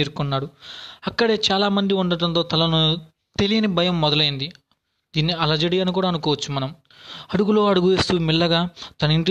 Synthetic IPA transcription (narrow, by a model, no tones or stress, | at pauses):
iːɾukunːaːɽuɐkːɐɽe̞ːt͡ʃaːlaːmɐnd̪iuɳɖɐʈɐnt̪o̞ːt̪ɐlɐnu | t̪elijɐnibʱɐjɐmːɔd̪ɐlɐjind̪i | d̪iːnːiɐlɐd͡ʒɐɽiɐnuk̬uːɽaːɐnukɔːʋɐt͡ʃːumːɐnɐm | ɐɽuɡulo̞ːɐɽuɡuʋe̞ːst̪uːmilːɐɡaːt̪ɐnɐiɳʈ